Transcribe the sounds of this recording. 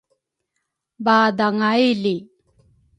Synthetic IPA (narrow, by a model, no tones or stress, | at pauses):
baːd̪aŋajli